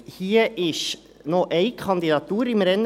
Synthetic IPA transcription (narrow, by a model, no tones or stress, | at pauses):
hiːəʔɪʃ | nɔʔɛɪkʰɑnd̪idɑt̪uːɾɪmɾɛn